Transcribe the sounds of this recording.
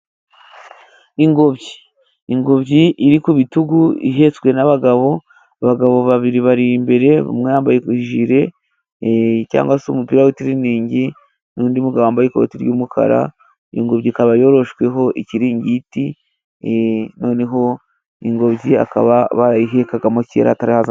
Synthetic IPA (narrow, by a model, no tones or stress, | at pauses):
iŋɡo̞bɟiː | ŋɡo̞βɟiʔiɾikuβituɡuḭɦe̞t͡swe̞naβaɡaβo̞ | aβaɡaβo̞βaβiɾiβaɾimbe̞ɾe̞βa̰mŋejaːmbajekuʒiɾe̞ | ca̰ːŋɡwasomupiːɾawetiɾiniːɲɟi | nuːndimuɡaβoaːmbajekoo̰tiɾjuːmukʰa̰ɾa̰ | ḭŋɡoβɟikaβajo̞ɾo̞ʃkwe̞ɦo̞ʔiciɾiːɲɟiti | no̞ːne̞ɦo̞ | iŋɡo̞βɟia̰ka̰βaβaiɦe̞kaɡamocḛɾa̰taɾihaza